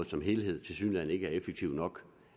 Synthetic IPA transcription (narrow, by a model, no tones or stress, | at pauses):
ð̩ˠsɒ̽mɦe̝ːlhe̝ð̞̰ˠt͡sʰe̝syːnlæn̰e̝ɡ̥əæɐefəɡ̥̚t͡sʰiʊ̰nɒ̽ɡ̥